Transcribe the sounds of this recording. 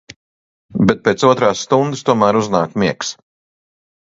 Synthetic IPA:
bɛt̪̚pʲeːt̪suɔt̪ɾaːsːt̪und̪ɨst̪uɔmæːɾuznaːkmiɛks

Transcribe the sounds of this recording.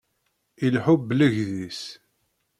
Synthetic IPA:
ilħubːləʝðis

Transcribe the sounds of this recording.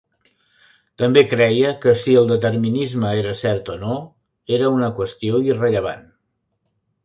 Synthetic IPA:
t̪əmbekɾɛjəkəsiəlˠd̪ət̪əɾminizməeɾəsɛɾt̪ono | eɾəunəkwəst̪ioirəʎəβ̞a̰n

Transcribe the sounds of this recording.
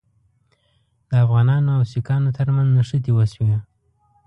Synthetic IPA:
d̪̥əafɣɑnɑnoawsikɑnot̪əɾmanznaʂət̪ewaswia

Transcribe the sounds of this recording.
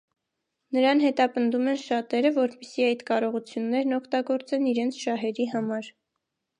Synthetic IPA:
nəɾɑnhɛt̪ɑpənd̪umɛnʃɑt̪ɛɾəvɔɾpɛsiɑjt̪kɑɾɔʁut͡sʰjunːɛɾnɔkʰt̪ɑɡɔɾt͡sɛniɾɛnt͡sʰʃɑɦɛɾiɦɑmɑɾ

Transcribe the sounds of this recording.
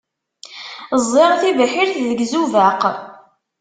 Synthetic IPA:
zˤːeʁθivəħiɾθðəɡzuvæq

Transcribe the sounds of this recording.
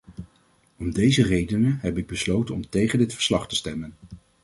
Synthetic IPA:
ɔmdejzərejdənəɦɛpɪɡ̚bəslowtənɔmtejχəndɪtfə̥ɹslɑχtəstɛmən

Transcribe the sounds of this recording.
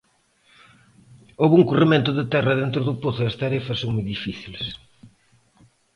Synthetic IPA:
oβuŋkurimẽnt̪ʊðɪt̪ɛrɐðent̪ɾʊðʊpoθʊɐst̪aɾefɐsːoŋmujðifiθiles

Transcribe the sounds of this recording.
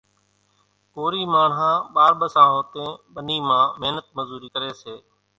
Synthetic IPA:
koːɾiːmaːɳɦãːɓaːɾɓəsãːɦoːt̪ẽːɓəniːmãːmeɦnət̪̚məzuːɾiːkəɾeːseː

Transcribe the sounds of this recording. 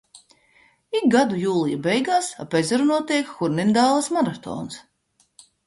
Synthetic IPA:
ik̚ɡad̪ujuːlˠijabɛjɡaːsapezʲɛɾunuɔt̪iɛkxuɾnind̪aːlˠasmaɾat̪o̰ːns

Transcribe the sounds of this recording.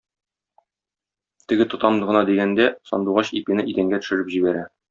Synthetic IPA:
t̪ɘ̆ɡɘt̪ŏt̪ɑmd̪ɤ̆ʁɤ̆nɑd̪iɡænd̪æsɒ̰nd̪uʁɑɕḭpinɘʔid̪æŋɡæt̪ɵ̥̆ʃɘ̆ɾɘpʑibæɾæ

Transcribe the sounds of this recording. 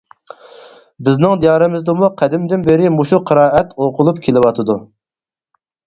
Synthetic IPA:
bɪznɪŋd̪ijɑːɾɨmɪzd̪ɨmuqʰæd̪ɪmd̪ɪnbeɾɪmoʃuqʰəɾɑːɛt̪oqʰʊlˠupkʲʰelɪwɑt̪ʰɨd̪u

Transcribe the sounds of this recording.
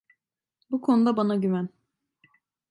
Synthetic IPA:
bukʰo̞nud̪abanaɟymæn

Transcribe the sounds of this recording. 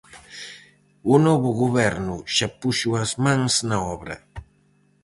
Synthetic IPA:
ʊnoβʊɡobeɾnʊʃapʊʃwasmaŋsnaobɾa̰

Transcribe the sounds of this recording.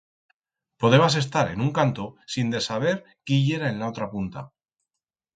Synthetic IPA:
po̞ðe̞mas̬e̞s̬t̪aɾe̞̰nũŋkant̪osind̪e̞saβ̞e̞ɾ | kiʝe̞ɾae̞nlao̞t̪ɾapunt̪a̰

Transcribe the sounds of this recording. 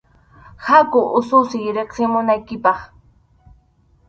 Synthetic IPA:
hakʊʔʊsʊsɪjɾeχsɪmʊnajkɪpɑχ

